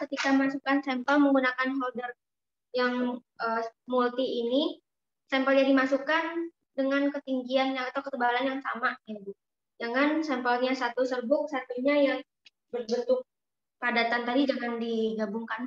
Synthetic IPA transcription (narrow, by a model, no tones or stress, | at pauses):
kət̪ikamasukansɛmpəlməŋɡunakanɦɔldər | jaŋʔəmult̪iːni | sɛmpəlɲadimasukan | dəŋankət̪iŋɡianɲaːt̪awkət̪əbalanjaŋsamaɡit̪u | d͡ʒaŋansɛmpəlɲasat̪usərbʊk̚sat̪uɲajaŋ | bərbənt̪ʊk̚ | padat̪ant̪adid͡ʒaŋandiɡabuŋkan